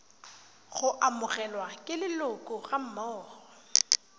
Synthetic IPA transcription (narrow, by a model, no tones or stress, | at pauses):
ɣʊʔamʊɣɛlwakʼɪlɪlʊkʼʊɣam̩maɔːrɔ